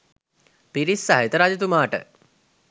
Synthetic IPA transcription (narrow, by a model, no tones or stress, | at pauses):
piɾisːaɦet̪əɾad͡ʒɐt̪̬umaːʈə̰